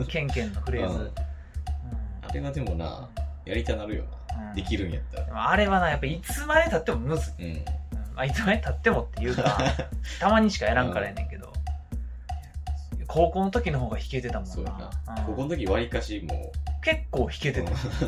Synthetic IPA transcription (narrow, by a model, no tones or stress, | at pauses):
kẽ̞ŋkẽ̞nːoɸɯ̟ɾe̞ːzɨ | ɯ̟̃ɴa̰ɾe̞βad̪e̞mona̰ː | jaɾʲit̪anaɾɯ̟jo̰ːnaɯ̟̃ɴd̪e̞kʲiɾɯ̟̃ɰ̃jat̪ːad̪maːɾe̞βanajapːaiːt͡sɨmad̪et̪at̪ːemo̞mɯ̟zɨ̃ɯ̟̃mait͡sɨmait̪at̪ːe̞mo̞t̪ːe̞jɯ̟ːat̪amaɲ̟iɕi̥kae̞ɾãŋkaɾaenẽ̞̰ŋke̞d̪o̞̰ | kʰo̞ːko̞ːno̞t̪o̞kʲinoɦoːɡaçi̥ke̞t̪e̞t̪amosnoːanã̰kokonot̪okʲiβaɾʲikaɕimo̰ke̞kːo̞ːçi̥ke̞t̪e̞t̪a